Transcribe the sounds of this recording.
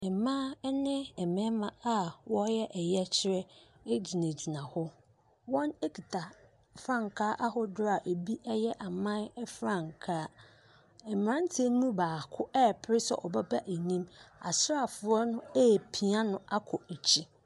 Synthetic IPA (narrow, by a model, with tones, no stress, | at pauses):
ɛ˨mãː˦nɪ̃˦ɛ˨mɛ̃˦mã˨a˨wɔ˦jɛ˦ʔɛ˨jɛ˦t͡ɕʰɪ˦ɾɛ˦ | e˦d͡ʑi˨nã˨d͡ʑi˨nã˨hʊ˦ | wɔ̃˦ne˦kʰi˨tʰa˨ | fɾã˦˨ŋ˨kʰaː˦ʔa˦ɦʊ˦dʊ˦ɾa˨ʔe˨bi˦ʔɛ˦jɛ˦ʔa˨mã˦ɛ˦fɾã˦˨ŋkʰaː˦ | ɛ˨m˨ɾã˦n˦tʰẽ˦n˦mũ˦baː˨kʰʊ˦ʔɛ˦˨pʰɪ˦ɾɪ˦sɛ̰˨ʔɔ˨ba˦ba˦ʔe˨nĩ˦ma̰˨sa˨fʊ˨˦ɔ˦nʊ̃˦e˦˨pʰi˨a˦nʊ̃˦a˦kʰɔ˨e˨t͡ɕʰi˦